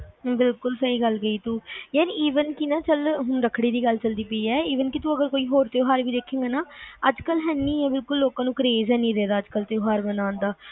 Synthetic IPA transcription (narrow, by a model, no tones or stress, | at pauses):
bɪlkʊlsəiːɡəlɡəiːt̪uːjaːniiːʋənkɪnãːt͡ʃəlɦʊɳɾəkʰɽiːd̪iːɡəlt͡ʃəld̪iːpəiːɛːiːʋənkɪt̪ũːəɡəɾkoːiːɦoːɾt̪eoːɦaːɾʋiːd̪eːkʰːeːŋɡaːnaːəd͡ʒkəlɦɛːnĩːɛːbɪlkʊlːoːkãːnũːkəɾeːzɛːnĩːɾɛːd̪aːd͡ʒkəlt̪eoːɦaːɾbənãːnd̪aː